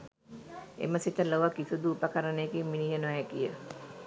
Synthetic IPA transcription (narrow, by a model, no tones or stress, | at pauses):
ḛməsit̪əloʋəkisud̪uːpəkəɾənəjekimːiniɦənoʋæːkijə